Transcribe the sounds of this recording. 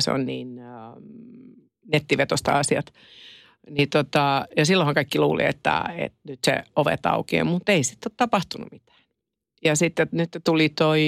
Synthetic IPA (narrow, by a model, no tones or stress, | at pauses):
sḛo̰nniːn | net̪ːiʋet̪ost̪ɑ̰ɑsiɑt̪ | nit̪ot̪ɑjɑsilːõhɑŋkɑikːiluːlḭḛt̪ːæ̰ḛt̪nyt̪sḛoʋḛt̪ɑ̰ukḛːmut̪ːeisit̪ːˑot̪t̪ɑpɑht̪unṵmit̪æ̥ːn | jɑsit̪ːenyt̪ːet̪ulit̪oi